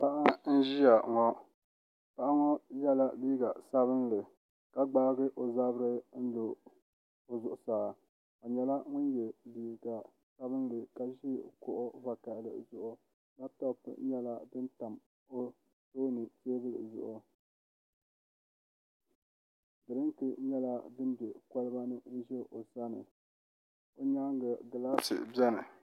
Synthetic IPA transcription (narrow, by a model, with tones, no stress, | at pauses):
pa˦ʔa˦n̩˦ʒi˦ja˨ŋɔ˦ | pa˦ʔa˦ŋɔ˦jɛ˦la˦biː˦ɡa˨sa˦βɨ˦nlɨ˨ | ka˨ɡ͡baː˦ɡɨ˦ʔo˨za˦bɾɨ˦n̩˦lo˨ | o˨zʊ˨ʔʊ˨saː˨ | ka˨ɲɛ˨la˦ŋʊ˦n˦jɛ˨biː˨˦ɡa˨ | sa˦bɨ˦n˦lɨ˨ka˨ʒi˦˨kʊ˨ʔʊ˦va˨ka˨ʔlɨ̰˨zʊ˦ʔʊ˦ | la˦tɔ˦pɨ̰˨ɲɛ˦la˦dɨ˦nta˨m | o˦ | toː˦nɨ˨se˦bɨ˦lɨ̰˨zʊ̰˨ʔʊ˨ | dɨ˨ɾɨ˦ntɨ˦ɲɛ˦la˦dɨ˦m˦bɛ˨ka˦lɨ˦ba˦nɨ˦o˦ʒɛ˦ʔo˨sa˦nɨ̰˨ | o˦ɲa˦ŋ˦ɡa˨ɡa˨laː˦sɨ̰˨bɛ˦nɨ˨